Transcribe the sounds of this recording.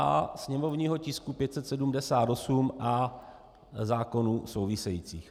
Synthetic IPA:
a̰sɲɛmo̞vɲiːɦo̞cɪskupjɛt̪sɛt̪sɛdumdɛsaːt̪o̞sumʔa | zaːko̞nuːso̞wvɪsɛjiːt͡sḭːx

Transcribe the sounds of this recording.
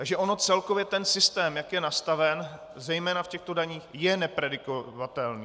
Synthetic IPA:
aɡʒɛʔo̞no̞t͡sɛlko̞vjɛt̪ɛnsɪst̪ɛːmjakjɛnast̪avɛn | zɛjmɛːnafcɛxt̪o̞daɲiːxjɛnɛpɾɛdɪkovat̪ɛlniː

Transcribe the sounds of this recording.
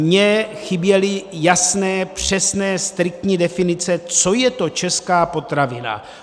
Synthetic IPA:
mɲɛxɪbjɛlɪjasnɛːpr̝̥ɛsnɛːst̪ɾɪk̚t̪ɲiːdɛfɪnɪt͡sɛt͡so̞jɛt̪o̞t͡ʃɛskaːpo̞t̪ɾavɪna̰

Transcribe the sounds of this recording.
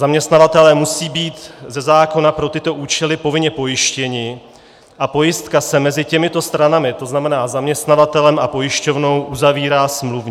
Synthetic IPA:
zamɲɛst̪navat̪ɛlɛːmusiːbiːt̪zɛzaːko̞napɾo̞t̪ɪt̪o̞ʔuːt͡ʃɛlɪpo̞vɪɲɛpo̞jɪʃcɛɲɪ | ʔapo̞jɪst̪kasɛmɛzɪcɛmɪt̪o̞st̪ɾanamɪt̪o̞znamɛnaːzamɲɛst̪navat̪ɛlɛmʔapo̞jɪʃco̞vno̞wʔuzaviːɾaːsmluvɲɪ

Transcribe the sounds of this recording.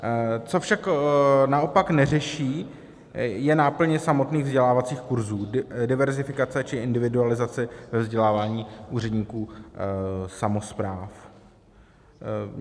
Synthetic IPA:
t͡so̞fʃaknaʔo̞paknɛrɛʃiː | jɛnaːpl̩ɲɛsamo̞t̪niːɣvzɟɛlaːvat͡siːxkuɾzuːdɪvɛɾzɪfɪkat͡sɛt͡ʃɪʔɪndɪvɪdualɪzat͡sɪvɛvzɟɛlaːvaːɲiːʔuːr̝ɛdɲiːkuː | samospɾaːf

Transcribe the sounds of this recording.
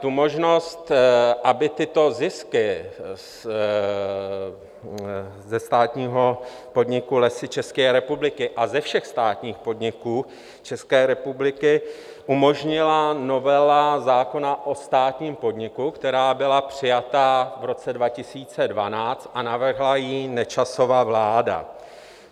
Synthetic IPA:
t̪umo̞ʒno̞st̪ʔabɪt̪ɪt̪o̞zɪskɪ | zɛst̪aːt̪ɲiːɦo̞ | po̞dɲɪkulɛsɪt͡ʃɛskɛːɾɛpublɪkɪʔazɛfʃɛxst̪aːt̪ɲiːxpo̞dɲɪkuː | t͡ʃɛskɛːɾɛpublɪkɪ | ʔumo̞ʒɲɪlano̞vɛlazaːko̞naʔo̞st̪aːt̪ɲiːmpo̞dɲɪkukt̪ɛɾaːbɪlapr̝̥ɪjat̪avɾo̞t͡sɛdvacɪsiːt͡sɛdvanaːt͡st̪ʔanavr̩ɦlajinɛt͡ʃaso̞vaːvlaːda̰

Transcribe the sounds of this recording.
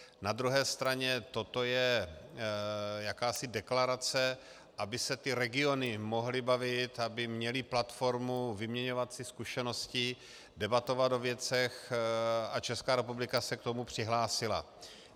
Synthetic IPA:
nad̪ɾuɦɛːst̪ɾaɲɛt̪o̞t̪o̞jɛ | jakaːsɪdɛklaɾat͡sɛ | ʔabɪsɛt̪ɪɾɛɡɪo̞nɪmo̞ɦlɪbavɪt̪abɪmɲɛlɪplat̪fo̞ɾmuvɪmɲɛɲo̞vat̪sɪskuʃɛno̞scɪ | dɛbat̪o̞vat̪ovjɛt͡sɛx | at͡ʃɛskaːɾɛpublɪkasɛk̚t̪o̞mupr̝̥ɪɦlaːsɪla̰

